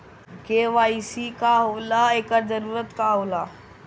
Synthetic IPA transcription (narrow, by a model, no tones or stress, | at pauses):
keʋaːisikaɦolaekəɾd͡ʒəɾuːɾət̪kaɦoːlaː